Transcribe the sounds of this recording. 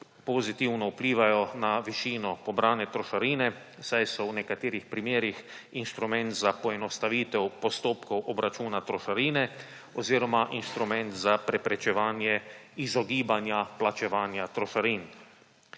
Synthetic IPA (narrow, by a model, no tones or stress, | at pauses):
pɔzit̪iwnɔupliːʋajɔnaʋiʃiːnɔpɔbɾaːnɛt̪ɾɔʃaɾiːnɛ | sajsɔwnɛkat̪eːɾixpɾimeːɾix | inst̪ɾumɛ̃nt̪zapɔɛnɔst̪aʋiːt̪ɛwpɔst̪oːpkɔwʔɔbɾat͡ʃuːnat̪ɾɔʃaɾiːnɛ | ɔziːɾɔmaʔinst̪ɾumɛnt̪zapɾɛpɾɛt͡ʃɛʋaːnjɛizɔɡiːbanjaplat͡ʃɛʋaːnjat̪ɾɔʃaɾiːn